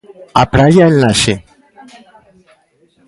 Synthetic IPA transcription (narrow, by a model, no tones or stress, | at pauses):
apɾajalnaʃɛ